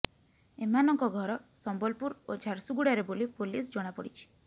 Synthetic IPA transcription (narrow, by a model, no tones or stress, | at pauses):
emanɔŋkɔɡʱɔɾɔsɔmbɔlpuɾod͡ʒʱaɾsuɡuɽaɾebolipolis̬d͡ʒɔɽ̃apɔɽit͡ʃʰi̥